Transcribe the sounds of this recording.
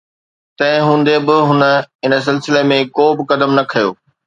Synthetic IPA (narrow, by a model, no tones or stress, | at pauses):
t̪ɐ̃ɦɪ̃ɦũːn̆d̪ebɪɦʊnə̆ɪnəs̬ɪlsɪlemẽkoːbɪkɐd̪əmnɐkʰɐjo̰ː